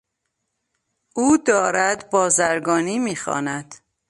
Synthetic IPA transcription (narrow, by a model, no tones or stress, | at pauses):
ʔuːd̪ɒːɾæd̪bɒːzæɾɡɒːniːmiːxɒ̰ːnæd̪̥